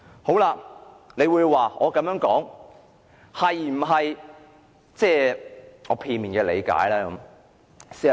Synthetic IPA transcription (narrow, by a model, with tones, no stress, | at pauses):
ho˨˥wlaː˧ | ne˨˧jwuː˨˧jwaː˨ʔɔ̰ː˨˧kɐ˨˧mjœː˨˥ŋkɔː˨˥ŋ | hɐ˨jm̩˨˩ɦɐ˨j | t͡sɛː˥˧˩ɔː˨˧pʰiː˧nmiː˨˩nkɛː˧lḛ˨˧jka̰ː˨˥jlɛː˥kɐ˨˧˦m | si˥